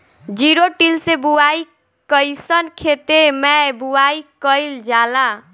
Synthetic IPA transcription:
d͡ʒiɾoʈilsebuaj | kəjsənkʰet̪emɛbuwaikəjld͡ʒala

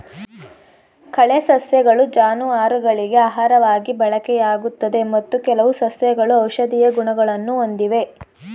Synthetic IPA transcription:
kɐɭesɐsjɐɡɐɭud͡ʒaːnuʋaːɾuɡɐɭiɡe̞aːɦaːɾɐʋaːɡibɐɭɐkɛjaːɡut̪ːɐd̪e̞mɐt̪ːukɛlɐʋusɐsjɐɡɐɭuɐwʃɐd̪ijɐɡuɳɐɡɐɭɐnːuo̞nd̪iʋe̞

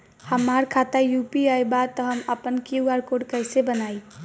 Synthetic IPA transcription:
həmːaɾkʰat̪ajupiajbat̪əɦəməpənkiuaɾkoɖkəjsebənaj

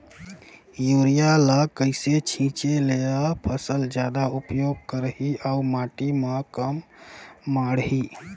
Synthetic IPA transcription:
juɾijaləkəɪset͡ʃʰĩt͡ʃeleapʰəsəld͡ʒjad̪aupjoɡ̚kəɾɦiaumaʈimə̃kəmː | aɽɦi

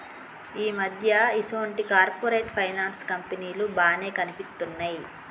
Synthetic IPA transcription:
iːmɐd̪ʱjɐisɐɐɳʈikaːɾpoːɾeːʈpʰɐjnaːnskɐmpeniːlubaːne̞ːkɐnipist̪ːunːaːji

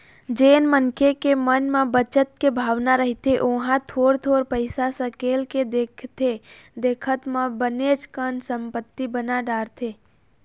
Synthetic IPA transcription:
d͡ʒeːnmənkʰekemənmẽbət͡ʃət̪̚kebʱaʋnaɾəɦit̪eʔoɦãt̪ʰoɾt̪ʰoɾpəɪsasə̃kelked̪ekʰt̪ʰe | d̪eːkʰət̪mẽbənet͡ʃkənsəmpət̪ːibənaɖaːɾt̪ʰe

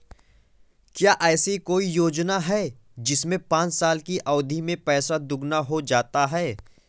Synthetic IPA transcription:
kjaːʔɛːsikoːijoːd͡ʒnaɦɛː | d͡ʒɪsmẽpãːt͡ʃsaːlkiʔɔːd̪ʱimẽpɛːsad̪ʊɡnaɦod͡ʒaːt̪aɦɛː

